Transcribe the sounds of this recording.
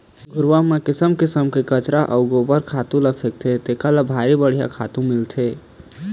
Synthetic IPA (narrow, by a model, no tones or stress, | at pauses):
ɡʱʊɾʋamẽkɪsəmkɪsəmkekət͡ʃɾaʔəʊɡobəɾkʰat̪ũlapʰek̚t̪ʰet̪ekalabʱaɾibəɽ̤ija̰kʰa̰t̪ũmɪlt̪ʰe